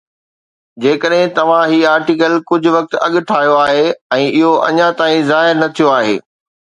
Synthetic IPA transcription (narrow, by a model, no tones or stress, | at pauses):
d͡ʑeːkəɗɦɪ̃t̪ɐʋ̤ãɦiːaːɾʈikəlkʊd͡ʑʱʊʋɐk̚t̪ɐ̰ɠʈʰaːjoaːɦeɛ̃ːɪɦoʔɐ̰ɲãt̪aːĩzaːɦɪɾnɐt̪ʰijoaːɦḛː